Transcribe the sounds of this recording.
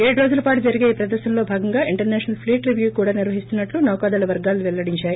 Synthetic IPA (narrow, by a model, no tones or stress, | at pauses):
eːɽɾo̞ːd͡ʒulɐpaːʈud͡ʒɐɾiɡeːpɾɐd̪ɐɾʃɐmlo̞ːbʱaːɡɐŋɡaːʔiɳʈɐɾnɛːʃɐnɐlpʰliːʈɾiʋjukuːɽaːniɾʋɐɦist̪unːɐʈlunɐːkaːd̪aːlɐʋɐɾɡaːluʋɛɭːɐɽiɲt͡ʃaːji